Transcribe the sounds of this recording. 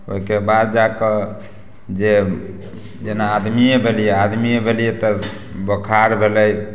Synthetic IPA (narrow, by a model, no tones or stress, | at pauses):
o̰ikebad̪̚d͡ʒakə | d͡ʒe | d͡ʒenaːd̪miebʱelijead̪miebʱelijet̪ə | bəkʰaɾbʱelɛj